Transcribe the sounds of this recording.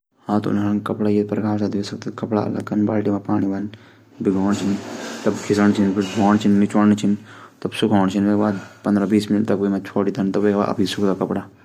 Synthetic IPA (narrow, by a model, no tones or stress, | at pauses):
hãːt̪ṵnankɐpɽajepɾɐkʰaːsad̪esɐk̚t̪ekɐpɽa̰ɐ̰lɐ̰ɡkɐnba̰ːʈimãpaːɽ̃iʋɐn | biɡʱoːɳt͡ʃʰint̪ɐbkʰisəɳt͡ʃʰinpʰiɾɡʱoːɳt͡ʃʰinːit͡ʃəɽt͡ʃʰint̪ɐbsukʰoːɳt͡ʃʰinʋeːɡʋaːpɐnd̪ɾabiːsmɪniʈt̪ɐkʋimãt͡ʃʰoːʈid̪ʰɐnt̪ɐʋeːɡʋa̰ːʔɐ̰pisukd̪akɐpɽaː